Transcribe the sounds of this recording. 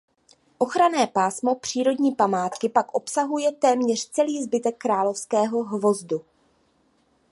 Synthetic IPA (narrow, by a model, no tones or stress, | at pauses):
ʔo̞xɾanɛːpaːsmo̞pr̝̥iːɾo̞dɲiːpamaːt̪kɪpakʔo̞psaɦujɛt̪ɛːmɲɛr̝t͡sɛliːzbɪt̪ɛkːɾaːlo̞fskɛːɦo̞ɦvo̞zdu